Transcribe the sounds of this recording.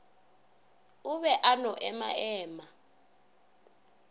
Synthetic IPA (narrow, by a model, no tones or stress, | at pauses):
uβɛʔanɔʔɛma̰ɛːma